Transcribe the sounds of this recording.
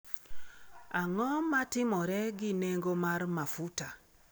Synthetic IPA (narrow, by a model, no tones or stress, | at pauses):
aŋɔmatɪmɔɾɛɡɪneŋɡomarmafuta